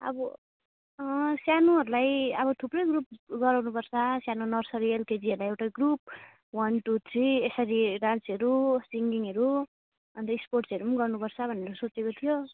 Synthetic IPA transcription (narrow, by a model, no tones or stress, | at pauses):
ʌ̰bʌ | sjanuɦʌɾulajʌβʌt̪ʰuprʌjɡrup̚ɡʌɾawnupʌrt͡sʰʌsjanunʌrsʌɾielked͡ziʌɾulajewʈaɡrup̚ | wʌnʈut͡sʰiesʌɾiɾãnt͡sʌɾusiŋɡiŋʌɾu | ʌnt̪ʌiksporʈsʌɾumnɡʌrnupʌrt͡sʰʌbʱʌnːeɾosot͡sekot̪ʰijo